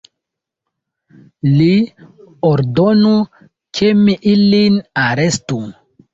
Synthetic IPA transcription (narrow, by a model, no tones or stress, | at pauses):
li | oɾdonu | kʰemiʔilinaɾe̞stu